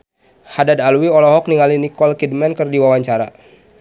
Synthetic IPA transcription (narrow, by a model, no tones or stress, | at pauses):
hadadalwiɔlɔɦɔk̚niŋalinikɔlkid̚mɛnkərdiwawaɲt͡ʃaɾa̰